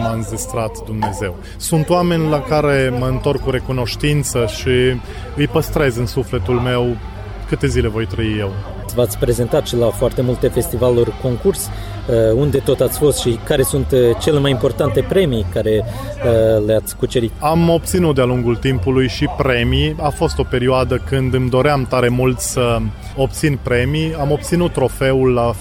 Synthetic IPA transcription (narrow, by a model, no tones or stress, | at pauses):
manzist̪ɾat̪d̪umne̞ze̞w | sunt̪owame̞nʲlakaɾe̞məɨnt̪o̞rkuɾe̞kuno̞ʃt̪int̪səʃi | ɨjpəst̪ɾe̞zɨnsufle̞t̪ulme̞w | kɨt̪e̞zile̞vo̞jt̪ɾəije̞w | vat̪sʲpɾe̞ze̞nt̪at̪ʃilafoart̪e̞mult̪e̞fe̞st̪ivalurko̞ŋkurs | əund̪e̞t̪o̞t̪at̪sʲfo̞st̪ʃikaɾe̞sunt̪t͡ʃe̞le̞majimpo̞rt̪ant̪e̞pɾe̞mikaɾe̞əleat̪sʲkut͡ʃeɾit̪amo̞p̚t̪sinut̪̚d̪ealuŋɡult̪impulujʃipɾe̞miafo̞st̪o̞pe̞ɾioad̪əkɨnd̪ɨmd̪o̞ɾeamt̪aɾe̞mult̪sə | o̞p̚t̪sinpɾe̞miamo̞p̚t̪sinut̪ːɾo̞fe̞ulːa